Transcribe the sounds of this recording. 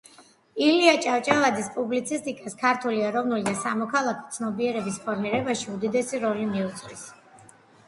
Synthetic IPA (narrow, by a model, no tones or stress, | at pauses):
iliat͡ʃʼaft͡ʃʼalˠad̪zispʼublit̪sʰist̪ʼikʼaskʰaɾt̪ʰuliɛɾɔvnulid̪asamɔkʰalˠakʰɔ̥t̪sʰnɔbiɛɾɛbispʰɔɾmiɾɛbaʃiud̪id̪ɛsiɾɔlimiut̪sʼɾis